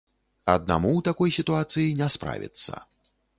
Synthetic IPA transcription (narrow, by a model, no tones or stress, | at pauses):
ɐd̪̚na̰muwt̪akɔjsʲit̪uat̪sɨjinʲɛspɾa̰vʲḭt̪sːɐ̰